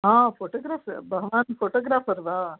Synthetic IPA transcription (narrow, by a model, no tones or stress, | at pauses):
ɦãːfoːʈoːɡɾaːfbʱɐɡɐʋaːnfoːʈoːɡɾaːfʰɐɾʋaː